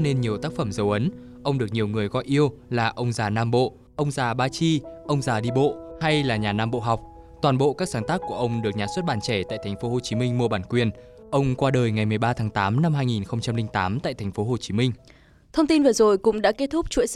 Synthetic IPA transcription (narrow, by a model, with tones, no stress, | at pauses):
ne˧nɲi˨˩əwt̪aː˦˥k̚fə˧˩mzə˨˦wʔə˨˦n | ʔə˧wŋ͡mɗɨ˨˩ək̚ɲi˨˩əwŋɨ˨˩əjɣɔ̰˧˨jʔi˧əwlaː˨˩ʔə˧wŋ͡mzaː˨˩naː˧mɓo̰˧˨ | ʔə˧wŋ͡mzaː˨˩ɓaː˧t͡ɕi˧ʔə˧wŋ͡mzaː˨˩ɗi˧ɓo̰˧˨ha˧jlaː˨˩ɲaː˨˩naː˧mɓo̰˧˨ɦa˨˩wk͡p̚ | t̪waː˨˩nɓo̰˧˨kaː˦˥k̚z̥aː˨˦nt̪aː˦˥kːu˧˩əʔə˧wŋ͡mɗɨ˨˩ək̚ɲaː˨˩swə˦˥t̚ɓaː˧˩nt͡ɕɛ˧˩t̪a̰ː˧˨t̪ʰa˨˩ŋ̟fo˨˦ho˨˩t͡ɕi˨˦mï˧ŋ̟mu˧əɓaː˧˩nkwi˨˩ən | ʔə˧wŋ͡mkwaː˧ɗəː˨˩jŋa˨˩jmɨ˨˩əjɓaː˧t̪ʰaː˨˦ŋt̪aː˨˦mna˧mhaː˧jŋi˨˩nxə˧wŋ͡mt͡ɕa˧mlï˧ŋ̟t̪aː˨˦mt̪a̰ː˧˨jt̪ʰɛ˨˩ŋ̟fo˨˦ɦo˨˩t͡ɕi˨˦mï˧ŋ̟ | t̪ʰə˧wŋ͡mt̪i˧nvəː˨˩zo˨˩jkʊ̰˧˥ŋ͡mɗa̰˧˥ke˦˥t̚t̪ʰʊ˦˥k͡p̚t͡ɕwḭ˧˥ə